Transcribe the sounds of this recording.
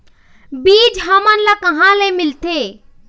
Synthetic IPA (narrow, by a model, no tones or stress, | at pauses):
biːd͡ʒɦəmənlakəɦãlemɪlt̪e